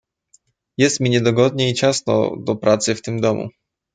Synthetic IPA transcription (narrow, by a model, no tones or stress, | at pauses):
jɛst̪mʲiɲɛd̪ɔɡɔd̪ɲɛit͡ɕasnɔ̰d̪ɔpɾʔat̪sɘft̪ɘmd̪ɔmṵ